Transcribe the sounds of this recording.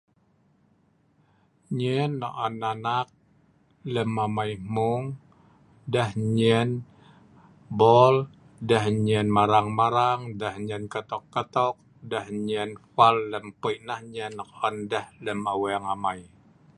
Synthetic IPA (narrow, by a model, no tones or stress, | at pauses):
ɲɛnːɔʔanːanak̚ | ləmamaimuŋ | dəhɲɛn | bɔl | dəhɲɛnmaɾaŋmaɾaŋdəhɲənkət̪ɔkːət̪ɔk̚ | dəhɲɛnfalːəmpəjʔnahɲɛnːɔkɔndəhləmaweaŋamaj